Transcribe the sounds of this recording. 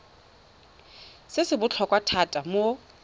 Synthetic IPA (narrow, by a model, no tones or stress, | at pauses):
sɪsɪbʊt͡ɬʰɔkʼwatʰatʼamo